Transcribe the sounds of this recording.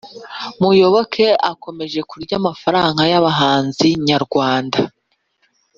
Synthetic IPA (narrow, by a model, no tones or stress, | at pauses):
mujo̞βo̞kʰe̞ako̞me̞ʒe̞kuɾɟaːmafaɾaːŋɡajaβaɦaːnziɲaɾɡwaːnda